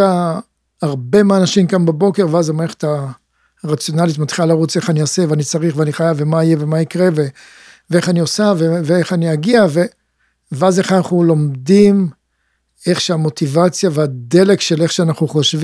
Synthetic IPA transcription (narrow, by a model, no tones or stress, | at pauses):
a | aʁbe̞maaːnaʃimkambabo̞ke̞ʁveazamaeχe̥ta | ʁat͡sjo̞nalitmat̪χilalaʁut͡se̞χaniase̞veanit͡saʁiχveaniχajavːe̞maijevemaikʁe̞ve | vee̞χaniosaveveeχaniaɡiave | veaze̞χanaχnulo̞mdim | e̞χʃeamo̞t̪ivat͡sjaveade̞le̞kʃe̞le̞χʃeanaχnuχoʃv